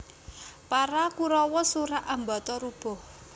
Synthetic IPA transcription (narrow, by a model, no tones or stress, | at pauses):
paɾakuɾɔwɔsuɾaʔambat̪ɔɾub̥ɔ̤h